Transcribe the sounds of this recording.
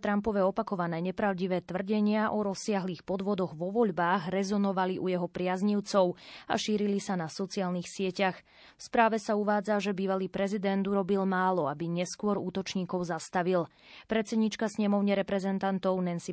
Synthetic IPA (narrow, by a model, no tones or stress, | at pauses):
t̪ɾampɔʋɛɔpakɔʋanɛːɲɛpɾaʊɟiʋɛːt̪ʋr̩ɟɛɲɪaʔɔɾɔsːɪaɦliːxpɔd̪ʋɔd̪ɔɣʋɔʋɔʎbaːɣɾɛzɔnɔʋaliʔujɛɦɔpɾɪazɲiʊt͡sɔʊa̰ʃiːɾilisanasɔt͡siaːlnixsɪɛcax | fspɾaːʋɛsauʋaːd͡zaʒɛbiːʋaliːpɾɛzid̪ɛnt̪uɾɔbilmaːlɔabiɲɛskʊɔɾuːt̪ɔt͡ʃɲiːkɔʊzast̪aʋil | pɾɛt̪t͡sɛd̪ɲiːt͡ʃkasɲɛmɔʊɲɛɾɛpɾɛzɛnt̪ant̪ɔʊnɛnsi